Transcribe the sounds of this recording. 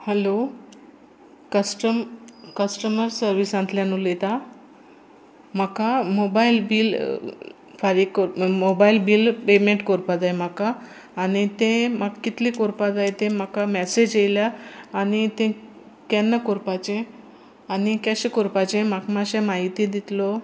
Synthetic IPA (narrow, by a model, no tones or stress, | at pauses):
hɛlo | kəsʈəmkəsʈəməɾsəɾʋisãnt̪ljanulet̪a | m̤akamobailbiːl | faɾikːoɾmobailbiːlpemẽɳʈkoɾpad͡z̪ajm̤akaː | ñit̪ẽmaɡkːit̪liːkoɾpad͡z̪ajt̪ẽm̤akamɛsed͡ʑejljaːnit̪ẽ | kɛnːəkoɾpat͡ɕẽ | anikjaɕẽkoɾpat͡ɕẽmakmaɕẽmaɦit̪iːd̪it̪lɔ